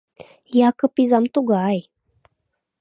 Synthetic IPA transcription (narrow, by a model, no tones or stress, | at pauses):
jakəpizamt̪uɡaj